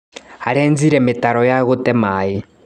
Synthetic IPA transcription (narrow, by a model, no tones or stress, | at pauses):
aɾɛnd͡ziɾɛmɪtaɾɔjaɣutɛmaːi